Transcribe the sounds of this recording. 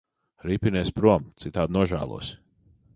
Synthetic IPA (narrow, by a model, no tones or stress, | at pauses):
ɾipʲinɛːspɾuɔmt̪sit̪aːd̪nuɔʒæ̰ːlˠṵɔs